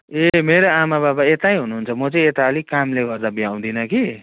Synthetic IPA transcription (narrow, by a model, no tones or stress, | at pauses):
emeɾoamababaet̪ajɦunuɦunt͡sʰʌmʌt͡sʌĩet̪aʌlikamleɡʌrd̪abiaw̃d̪inʌki